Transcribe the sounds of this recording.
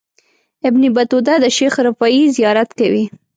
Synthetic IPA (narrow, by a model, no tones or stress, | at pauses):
ɪbnibat̪ud̪ad̪əʃexɾafɑizijɑɾat̪kawi